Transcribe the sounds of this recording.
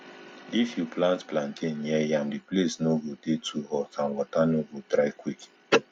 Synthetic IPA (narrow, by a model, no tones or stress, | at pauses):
ifjuplãntplãntʰẽnjɛjãmdiplesnoɡodetʰuhɔkʰãnwɔtanoɡotɾaɪkwik